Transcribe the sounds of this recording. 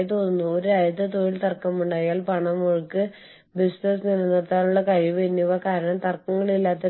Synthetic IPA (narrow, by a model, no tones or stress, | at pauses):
t̪o̞ːnːunːuoɾuɐjɐt̪ːɐt̪oːɻilt̪ɐrkːɐmuɳɖaːjaːlpɐɳɐmːoɻukːɨ | bisnɐs̬nilːɐnːɐt̪ːaːnuɭːɐkɐɻiʋɨenːuʋɐkaːɾɐɳɐmt̪ɐrkːɐŋːɐɭilːaːt̪ːɐ